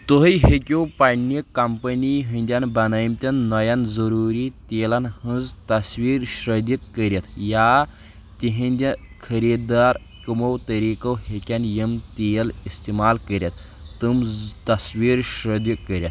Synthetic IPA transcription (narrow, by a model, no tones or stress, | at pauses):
t̪oɦjɦekʲowpanjikɐmpəniɦənʲd̪ʲjanbɐnajmt̪ʲanːɔjanzəɾuɾiːt̪elanhənzt̪ɐsʋiːɾɕɾəd̪jikːəɾjat̪ʰja | t̪iɦĩnd̪ʲa | kʰɐɾid̪aːɾ | kʲumɐwt̪ɐɾikɐwɦekʲanjemt̪ejlist̪imaːlkəɾʲjat̪ːɨmt̪ɐsʋiːɾɕɾəd̪jəkːəɾʲjat̪